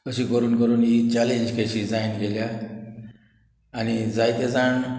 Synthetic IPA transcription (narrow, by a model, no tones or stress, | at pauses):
kəɕiːkəɾuːnkəɾuːnjit͡ɕalẽɲd͡ʑkeɕiːd͡zainɡelja | ñid͡zajt̪ed͡zaɳ